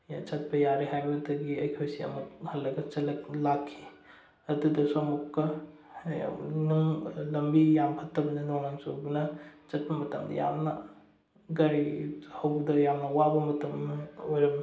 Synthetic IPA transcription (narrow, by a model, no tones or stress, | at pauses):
t͡ʃɐt̚pɐjaɾiɦajbɐdɐɡiɐjkʰojsiɐ̰muk̚hɐlːɐɡɐt͡ʃɐlːɐk̚lakʰːi̥ | ɐdudɐswomukːɐ | nuŋlɐmbijampʰɐtːɐbɐnɐnoŋnaŋsobɐnɐt͡ʃɐt̚bɐmɐtɐmdɐ̰ja̰mnɐ | ɡɐɾihɐwbdɐjamnɐwabɐmɐtɐmɐojɾɐm